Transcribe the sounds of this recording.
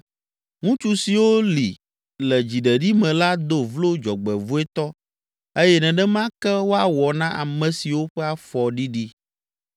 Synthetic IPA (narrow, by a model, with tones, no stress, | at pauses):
ŋũ˦t͡ʃu˨si˨wo˦li˨ | lɛ˨d͡ʑi˨ɖɛ˨ɖi˦mɛ̃˨la˦d̪o˦vlo˦d͡ʒɔ˨ɡ͡bɛ˨vu˦ɛ˦t̪ɔ˦ | e˦jɛ˦nɛ̃˨ɖɛ˦mã˦kɛ˦wo˦a˨wɔ˨nã˦ʔa˨mɛ̃˨si˨wo˦ɸɛ˦a˨fɔ˨ɖi˦ɖi˦